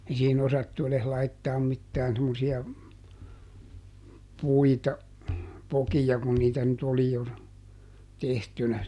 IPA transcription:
ei siːhin osɑtːu eles lɑitːɑːm mitːæːn semːosiɑ puitɑ pokijɑ kun niːtæ nyt oli jo tehtynæ

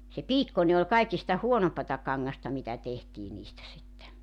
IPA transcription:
se piːkːone ol kɑikistɑ huonompɑtɑ kɑŋːɑstɑ mitæ tehtiː niːstæ sitːe

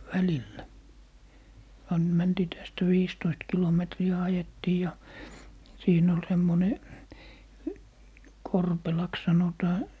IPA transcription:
ʋælilːæ ɑn mæntiː tæstæ ʋiːstoist kilometriæ ɑjetːiː jɑ siːn ol semːone korpelɑks sɑnotɑː

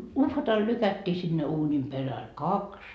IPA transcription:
uhʋɑtɑl lykætːiː sinːe uːnim peræl kɑks

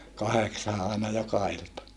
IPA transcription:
kɑheksɑː ʔɑˑenɑ jokɑ iltɑ

